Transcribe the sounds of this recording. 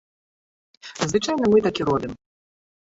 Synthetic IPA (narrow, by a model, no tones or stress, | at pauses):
zvɨt͡ʂajnɐmɨt̪akʲiɾɔbʲim